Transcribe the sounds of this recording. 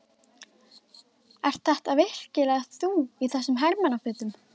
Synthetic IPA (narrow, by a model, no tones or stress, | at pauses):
ɛr̥t̪θaht̪aðvɪhl̥cɪlaθuːiθɛsːʏmɦɛɾmanafʏːt̪ʏm